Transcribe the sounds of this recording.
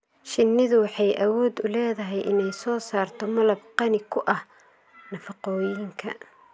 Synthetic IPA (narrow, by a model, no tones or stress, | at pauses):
ʃɪnːɪðʊwɑħɑjʔɐwɔːd̪ʊlɛːðɐɦɛjʔɪnɛjsɔːsaːrt̪ʰɔmɐlɐbqɑnɪkʰʊʔɐh | nɐfɑqɔːjɪŋkʰɐ